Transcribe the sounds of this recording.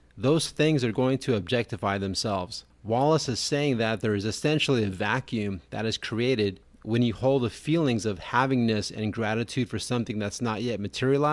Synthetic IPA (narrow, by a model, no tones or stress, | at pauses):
ðoʊz̥θɪ̃ŋzə˞ɡoʊɪ̃ŋtʰɨɨb̚d͡ʒɛk̚tɨfaɪðɨ̃msɛlˠvz̥ | wɑlˠəsɨz̥seɪɪ̃ŋðɨt̪̚ðə˞ɨzɨsɛ̃nʃl̩ˠiɨvækʰjʉ̃mðɨ̰ɾɨz̥kʰɹ̥ieɪɾɪd̚ | wɨ̃njɨhoʊlˠd̪̚əfilˠɪ̃ŋzʌv̥hævɪ̃ŋnɨsɨ̰̃nɡɹæɾɨtʰʉd̥fə˞sʌ̃mθɪ̃ŋðætsnət̚jɛt̚mɨtʰɪɹil̩ˠa